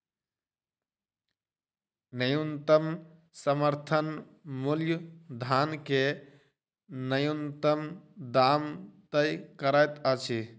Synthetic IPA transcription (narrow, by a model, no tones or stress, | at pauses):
nəjunt̪əm | səməɾt̪ʰən | muljud̪ʱanke | nəjunt̪əmd̪amt̪əjkəɾajt̪ət͡ʃʰi